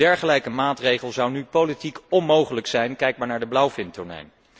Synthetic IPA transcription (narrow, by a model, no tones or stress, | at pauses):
ɛɹχəlɛjkəmaːtrejχəlˠzɑwnypolitikɔnmowχələksɛjnkɛjk̚maːɹnaːɹdəblɑwfɪntʊɹnɛ̰jn